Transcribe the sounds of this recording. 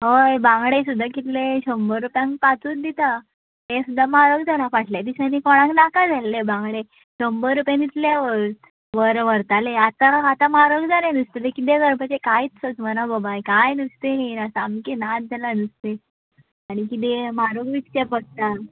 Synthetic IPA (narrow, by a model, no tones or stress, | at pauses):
ɦojbãŋɡɽesud̪ʱːakit̪leɕəmbəɾupjãŋkpat͡suːt̪d̪it̪a | ɦesud̪ʱːamaɾoɡd͡zanafaʈʰljad̪iɕanikɔɽ̃ãknakad͡zalːebãŋɡɭe | ɕəmbəɾːupjãnit̪ljaʋəɾ | ʋəɾʋəɾt̪aleat̪aat̪amaɾoɡd͡zaleãnist̪et̪ekit̪̬eɡəɾbat͡ɕekait͡ssət͡smənabəbajkajnist̪eɦenasamkenat̪̚d͡zalanist̪e | aɽ̃ikit̪̬emaɾoɡʋitt͡ɕepəst̪a